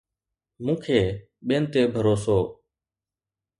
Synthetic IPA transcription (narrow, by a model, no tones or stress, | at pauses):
mũːkʰeː | ɓeːnt̪eːbʱəɾoːsoː